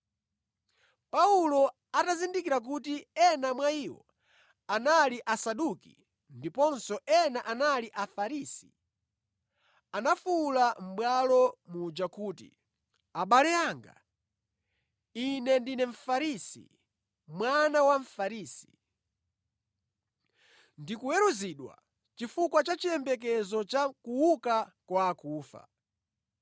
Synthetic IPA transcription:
paulɔ | atazindikiɾak̬utiɛnamwaiwɔ̰ | analiʔasaɗukḭ | ndipɔnsɔʔɛnaʔanaliʔafaɾiːsi̥ | anafulam̩ɓwalɔmud͡ʒakuːtḭ | aɓalɛaŋɡa̰ | inɛndinɛɱ̩faɾisḭ | mwanawaɱ̩faɾiːsi̥ | ndikuwɛɾuziɗwa̰ | t͡ʃifukwat͡ʃat͡ʃijɛmbɛk̬ɛzɔt͡ʃakuwukakwaːkuːfa̰

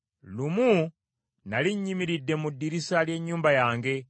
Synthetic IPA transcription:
lumu | naliɲːimiɾidːe̞mudːiɾisalje̞ɲːuːmbajaːŋɡe̞

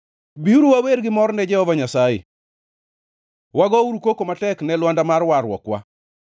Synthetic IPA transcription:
biuɾuwaweɾɡɪmɔrnɛd͡ʒɛhɔvaɲasajḛ | waɡɔuɾukokomatɛknɛlwandamarwaɾwɔ̰kwa̰

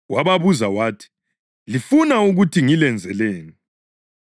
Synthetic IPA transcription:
waβaβuzawaːtʰi̥ | lifunauɣutʰiŋilɛnd͡zʱɛleːni

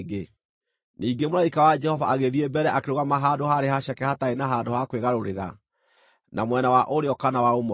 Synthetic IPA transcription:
ɡe | niːŋɡemoɾaikawad͡ʒɛhɔvaaɣeðiebɛɾɛʔakeɾoɣamaɦadoɦaɾeɦaɕɛkɛhataenaɦaːdohakweɣaɾoɾeɾa̰ | nʔamwɛnawaʔoɾeɔkanawaomɔ

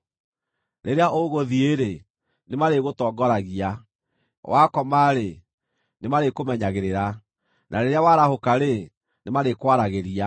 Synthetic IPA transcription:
ɾeɾeaʔoɣoðieɾe | nemaɾeɣotɔːɡɔɾaɣia | wakɔmaɾe | nemaɾekomɛɲaɣeɾeɾa | nʔaɾeɾeawaɾahokaɾe | nemaɾekwaɾaɣeɾia

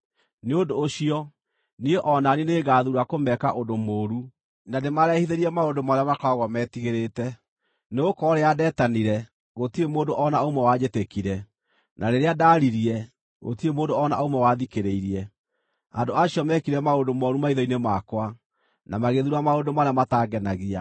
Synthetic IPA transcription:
neondoːɕiɔ | nieʔɔnanineːɣaðuɾakomɛkaʔondomoːɾu | nademaɾɛhiðeɾiɛmaondomaɾeamakaɣɔmɛtiɣeɾetɛ | neokɔɾeadɛːtaniɾɛ | ɣotiemoːndoʔɔnaomwɛwad͡ʒetekiɾɛ | nʔaɾeɾeadaːɾiɾiɛ | ɣo̰tiemoːndoɔna̰omwɛwaðikeɾeiɾiɛ | a̰ndoaɕiɔmɛkiɾɛmaondomɔɾumaiðɔinemakwa | namaɣeðuɾamaondomaɾeamataɡɛnaɣia

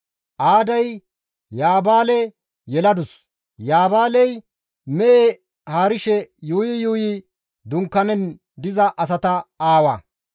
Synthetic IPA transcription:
ʔaːd̪ɐj | jaːbaːlɛ | jɛlɐd̪ʊs | jaːbaːlɛj | mɛʔe | haːɾɪʃɛjuːjɪjuːjɪ | d̪ʊŋkːɐnɛn | d̪ɪzɐʔɐs̬ɐt̪ɐaːwɐ̰

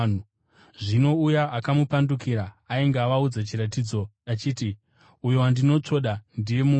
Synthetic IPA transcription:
ʐino̞ujaːkamupandukiɾaːiŋɡaʋaud͡zat͡ʃiɾatiːd͡zo̞at͡ʃiːti | ujo̞wandino̞t͡ʂo̞ɗandije̞mu

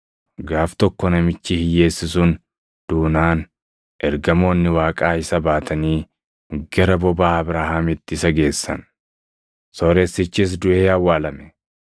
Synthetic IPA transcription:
ɡaːft̪ɔkːɔnɐmɪt͡ʃːɪhɪje̞ːsːɪsʊn | d̪̥uːnaːn | ʔɛɾɡɐmo̞ːnːɪwaːkʼaːɪsɐbaːt̪ʰɐniː | ɡɐɾɐbɔbaːɐbɾaːhaːmɪt̪ːɪɪsɐɡe̞ːsːɐ̰n | soːɾeːsɪt͡ʃːɪːs̬d̪ʊʔeːɐwːaːlɐmɛ̥

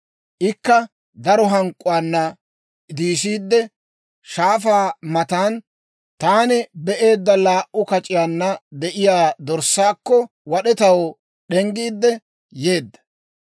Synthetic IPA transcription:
ʔɪkːɐ | d̪ɐɾɔɦɐŋkʼːʊwaːnːɐ | d̪iːsiːd̪ːɛ | ʃaːfaːmɐt̪aːn | t̪aːnɛbɛʔe̞ːd̪ːɐlaːʔʔʊkɐt͡ʃʼɪjaːnːɐd̪ɛʔɪjaːd̪ɔɾsaːkːɔ | wɐɗɛt̪ɐw | ɗɛŋɡiːd̪ːɛ | je̞ːd̪ːɐ̥

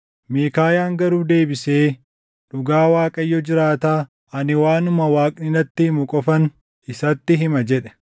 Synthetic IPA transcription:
meːkaːjaːŋɡɐɾuːd̪e̞ːbɪseː | ᶑʊɡaːwaːkʼɐjːɔd͡ʒɪɾaːt̪aː | ɐnɪwaːnʊmɐwaːkʼnɪnɐt̪ːɪhɪmʊkʼɔfɐn | ɪsɐt̪ːɪɦɪmɐd͡ʒɛᶑɛ̥

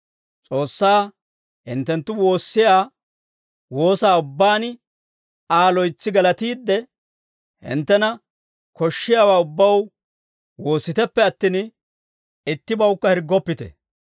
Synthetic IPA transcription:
t͡sʼo̞ːsːaː | hɪ̰nt̪ːɛnt̪ːʊwo̞ːsːɪjaː | wo̞ːsaːʊbːaːnɪ | aːlɔjt͡sːɪɡɐlɐt̪iːd̪ːɛ | hɪ̰nt̪ːɛnɐ | kɔʃːɪjaːwaːʊbːɐw | wo̞ːsːɪt̪ɛpːɛɐt̪ːɪn | ɪt̪ːɪbɐwkːɐhɛɾɡːɔpːɪt̪ɛ̰

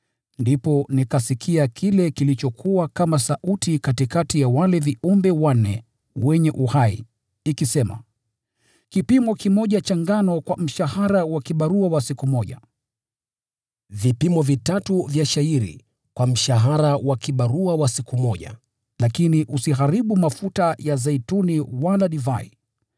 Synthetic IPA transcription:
ndipɔnikasikʰiakʰilɛkilit͡ʃɔkʰuakamasaʔutikatikatijawalɛviumbɛwanɛ̰ | wɛɲɛʔuhaḭ | ikisɛma̰ | kipimɔkimɔʄat͡ʃaŋɡanɔkwam̩ʃahaɾawakiɓaɾuawasikumɔʄa̰ | vipimɔvitatuvjaʃaiɾḭ | kwam̩ʃaɦaɾawakiɓaɾuawasikumɔʄa̰ | lakiniʔusiɦaɾiɓumafutajazaituniwalaɗiva̰ḭ

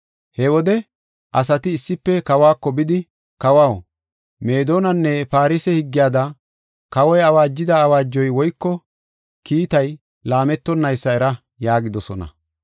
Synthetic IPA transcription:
hɛwɔd̪ɛ | ʔɐs̬ɐt̪ɪːsːɪpːɛkɐwaːkːɔbɪd̪ɪ | kɐwaːw | me̞ːd̪o̞ːnɐnːɛpaːɾisɛhɪɡːɪjaːd̪ɐ | kɐwɔjɐwaːd͡ʒːɪd̪ɐːwaːd͡ʒːɔjwɔjkːɔ | kiːt̪ɐj | laːmɛt̪ːɔnːɐjsːɐɛɾɐ | jaːɡɪd̪ɔsɔnɐ̰

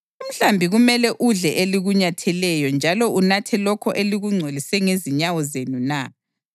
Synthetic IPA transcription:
um̩ɬambʱiɣumɛlɛʔuɮɛʔeliɣuɲatʰɛlɛjɔnd͡ʒʱalɔʔunatʰɛlɔkʰɔʔeliɣuŋ͡ǀʱwelisɛŋeziɲawɔzenuna

